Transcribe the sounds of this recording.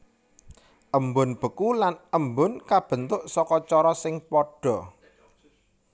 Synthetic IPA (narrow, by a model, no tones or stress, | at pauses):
ʔəmbʊnb̥ə̤kulanəmbʊnkab̥ə̤nt̪ʊʔsɔkɔt͡ʃɔɾɔsɪŋpɔɖ̥ɔ̤